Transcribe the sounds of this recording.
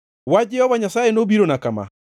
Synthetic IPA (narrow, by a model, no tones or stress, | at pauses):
wad͡ʒɛhɔβaɲasaːenobiɾonakama̰